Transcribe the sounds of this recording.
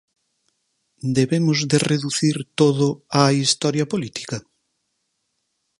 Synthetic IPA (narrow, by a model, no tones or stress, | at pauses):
d̪eβemʊzðereðuθiɾt̪oðʊaist̪ɔɾjɐpolit̪i̥kɐ